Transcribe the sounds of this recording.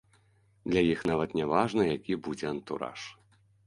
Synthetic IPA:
d̪lʲajixnavɐt̪nʲɛvaʐnɐjakʲibud͡zʲɛɐnt̪uɾa̰ʂ

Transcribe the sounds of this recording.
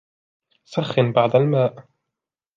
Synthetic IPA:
saxːɪnbaʕd̪almaːʔ

